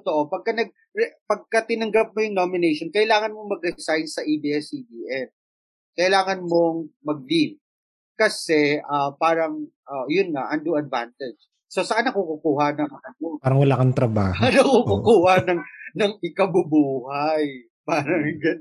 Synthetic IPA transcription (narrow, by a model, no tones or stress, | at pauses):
t̪oʔopɐɡ̚kɐnɐɡ̚ | ɾɛpɐɡ̚kɐt̪ɪnɐŋɡap̚mojʊŋnomɪnɛjʃonkɐʔɪlaːŋɐnmoŋmɐɡ̚ɾɛsajnsɐʔibiːɛsibiːʔɛn | kɐʔɪlaːŋɐnmo̞ŋmɐɡ̚lib̚ | kɐsɛʔɐpaːɾɐŋʔɐjʊnŋɐʔɐnd̪uɐd̪̚vant̪ɛ̥d͡ʒ | so̞sɐʔanːɐkukʊkuːhɐnɐŋɐʔɐnoaːɾɐŋwɐlaːkɐnt̪ɾɐba̰ːhnɐkukukuːhɐnɐŋnɐŋɪkɐbʊbuːhaj | paːɾɐŋɡɐ